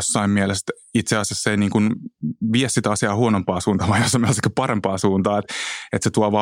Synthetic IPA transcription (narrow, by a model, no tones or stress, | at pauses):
sːɑimmiɛlest̪ | it̪seɑsjɑsːeiniːŋkunʋiɛssit̪ɑsiɑːhuonompɑːsuːnt̪ɑʋɑijosːɑimielest̪kypɑrempɑːsuːnt̪ɑːet̪et̪set̪uɑʋɑ